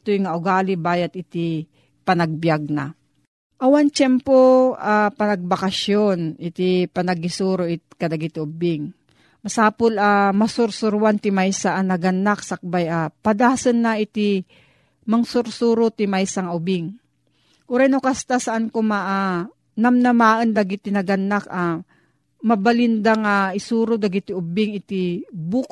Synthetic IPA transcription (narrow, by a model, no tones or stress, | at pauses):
t̪ojŋaʔʊɡaːlɪbaːjɐt̪̚ɪt̪ɪ | pɐnaɡ̚bjaɡ̚na̰ | ʔɐwant͡ʃɛmpoʔapɐnɐɡ̚bakaʃjonɪt̪ɪpɐnɐɡɪsuːɾoʔɪt̪̚kɐd̪ɐɡɪt̪ɪʊbɪŋ | mɐsaːpʊlamɐsʊɾsʊɾwant̪ɪmajsaʔanɐɡɐnːaksak̚bajapɐd̪aːsɐnːaʔɪt̪ɪ | mɐŋsʊɾsuːɾot̪ɪmajsaŋʔʊbɪŋ | ʔʊɾajnokast̪asɐʔankomaʔa | nɐmnɐmaːʔənd̪ɐɡɪt̪ɪnɐɡɐnːaka | mɐbalɪnd̪aŋaʔɪsuːɾod̪ɐɡɪt̪ɪʊbɪŋɪt̪ɪbuk